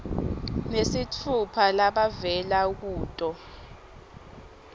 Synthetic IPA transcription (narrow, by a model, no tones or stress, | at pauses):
nesitʰupʰalaɓavɛlak̬uːtʼɔ